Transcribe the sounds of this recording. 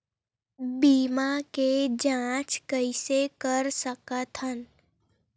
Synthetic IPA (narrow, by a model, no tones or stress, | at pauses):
biːmaked͡ʒãːt͡ʃkəisekəɾsəkət̪ʰɦən